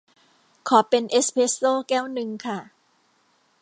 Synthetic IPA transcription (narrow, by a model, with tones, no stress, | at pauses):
kʰɔː˩˦pe˧nʔe˦˥spʰe˦˥sloː˥˨kɛː˥˩wnɯ˧ŋkʰa˥˩